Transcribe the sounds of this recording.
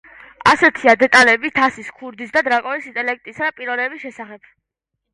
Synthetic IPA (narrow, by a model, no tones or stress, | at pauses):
asɛt̪ʰiad̪ɛt̪ʼalɛbit̪ʰasiskʰuɾd̪isd̪ad̪ɾakʼɔnisint̪ʼɛlɛk̚t̪ʼisad̪apʼiɾɔlɛbisʃɛsaχɛb̥̚